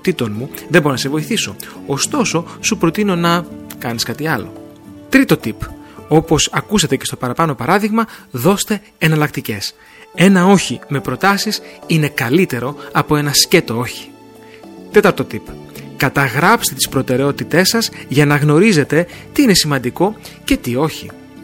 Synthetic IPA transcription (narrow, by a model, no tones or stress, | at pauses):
t̪it̪o̞nmuðeboɾonɐsevo̞iθiso̞ost̪o̞so̞supɾo̞t̪ino̞nɐkɐniskɐt̪iɐlo̞̰ | t̪ɾit̪o̞t̪ipo̞po̞sɐkusɐt̪e̞ce̞st̪o̞pɐɾɐpɐno̞pɐɾɐðiɣmɐðo̞st̪e̞ːnɐlɐk̚t̪ice̞s | e̞nɐo̞çime̞pɾo̞t̪ɐsisine̞kɐlit̪e̞ɾo̞ɐpo̞e̞nɐsce̞t̪o̞o̞çi̥ | t̪e̞t̪ɐɾt̪o̞t̪ipkɐt̪ɐɣɾɐpst̪e̞t̪ispɾo̞t̪e̞ɾe̞o̞t̪it̪e̞sɐzʝɐnɐɣno̞ɾize̞t̪e̞t̪iine̞simɐnd̪iko̞ | ce̞t̪io̞çi